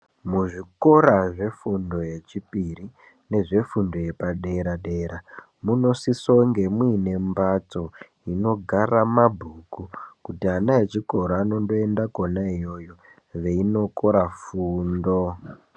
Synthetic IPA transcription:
muʐiko̞ɾaʐe̞fundo̞je̞t͡ʃipiri | ne̞ʐe̞fundo̞je̞paɗe̞ɾaɗe̞ːɾa | muno̞sisoŋɡe̞mwine̞mbat͡so̞ | ino̞ɡʱaramabʱukukutianaet͡ʃiko̞ɾaːno̞ndo̞endakonaijo̞jo̞ | ʋe̞ino̞ko̞ɾafuːndo̞

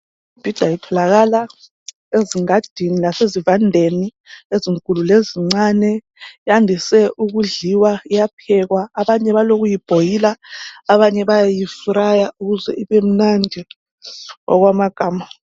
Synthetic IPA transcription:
ib̥ʱid̥ʱajitʰɔlaɣala | eziŋad̥ʱinilasezivandʱeni | eziŋkʼululeziŋ͡ǀanɛ | jandʱisɛʔuɣuɮiwaijapʰɛɣwaːβaɲɛβaloɣ̬ujib̥ʱojilaːβaɲɛβajajifuɾajauɣuzɛ̰ʔiβem̩nand͡ʒʱɛ | ʔɔ̰ɣwamaɡ̥ʱaːma

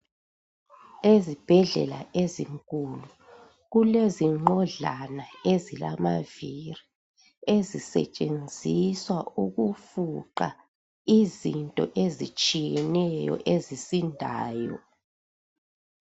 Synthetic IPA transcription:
ezib̥ʱɛɮɛ̰laʔeziŋkʼulu | ɣuleziŋ͡ǃɔɮanaezilamaviri | ezisɛ̰t͡ʃʼend͡zʱiswauɣufuǃa | izintʼɔ̰ʔezit͡ʃʼijɛnɛjɔ̰ʔezisindʱaːjɔ̰

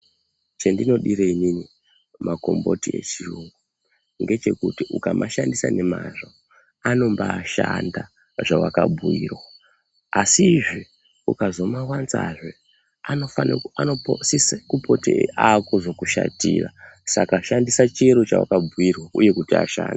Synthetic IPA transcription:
t͡ʃendino̞ɗiɾeinini | mako̞mbo̞tie̞̰t͡ʃiruŋɡu | ŋɡe̞t͡ʃe̞kutiukamʔaʃandisane̞maʐo | ano̞mbaːʃanda | ʐawakabʱujiːrwa | asiːʐi | ukazo̞mawanza̰ʐe | anofananoosiskupo̞tḛakoʐo̞kuʃa̰tiːrasakaʃandisat͡ʃieɾot͡ʃawa̰kabʱuirwauje̞kutia̰ʃa̰ːnda

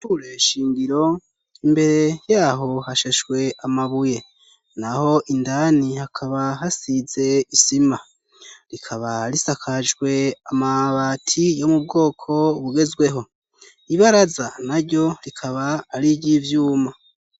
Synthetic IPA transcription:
tuɾeʃiːŋɡiɾo̞ | imbe̞ɾe̞jaːɦo̞haʃeʃɡwe̞amaβuje̞ | naho̞ʔindanihakʰaβahasize̞isima | ɾikʰaβaɾisakʰaʒɡwe̞amaβaːtʰijo̞mub̚ɡo̞ːkʰo̞βuɡe̞zɡwe̞ɦo̞ | iβaɾazanaɾɟo̞ɾikʰaβaːɾiɟivjuːma

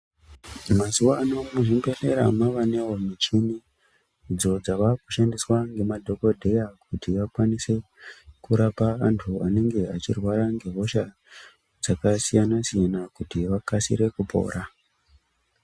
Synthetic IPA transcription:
mazuʋaːno̞muʐimbe̞re̞ɾa̰maʋanewomit͡ʃumi | d͡zo̞d͡zaʋaku̥ʃandiswaŋɡe̞madʱo̞ko̞dʱe̞jak̚utiʋakwanise̞ | kuɾapaantʰuane̞ŋɡe̞at͡ʃirwaɾaŋɡe̞ɦo̞ʃa | d͡zakasijanasijanakutiʋakasḭɾe̞kupʰo̰ːɾa

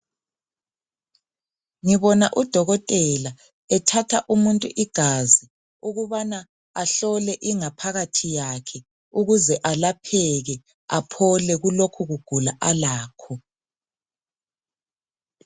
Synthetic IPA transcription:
ŋiβɔnaʔud̥ʱɔɣɔtʼɛla | ɛtʰatʰaʔumuntʼuʔiɡ̥ʱazi | uɣuβana | aɬɔlɛʔiŋapʰaɣatʰijakʰɛ | uɣuzɛʔalapʰɛɣɛ | apʰɔlɛɣulokʰuɣuɡ̥ʱulaʔalaːkʰɔ

